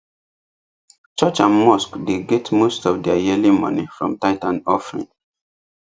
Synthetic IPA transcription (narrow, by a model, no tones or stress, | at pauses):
t͡ʃɔt͡ʃãnmɔskdeɡɛtmostɔvdɛajilimɔ̰nifɹɔ̰̃mtaɪtãnɔfɹḭ̃n